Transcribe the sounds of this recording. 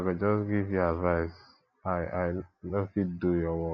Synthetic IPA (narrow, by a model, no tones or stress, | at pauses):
kad͡ʒɔsɡivjuadvaɪs | aajnofid̚dujɔwɔ